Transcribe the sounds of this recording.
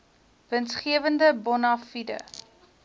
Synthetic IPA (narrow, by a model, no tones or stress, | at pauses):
vənsχiəvəndəbɔnɑfidə̰